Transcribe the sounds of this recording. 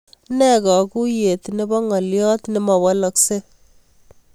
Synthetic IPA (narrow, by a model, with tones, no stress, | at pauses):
nɛ˦˨kɔ˨ku˦je˨t̪ne˦bɔ˦ŋɔ˨ljɔ˦tne˦mɔ˨wɔ˦lɔ˨kse˦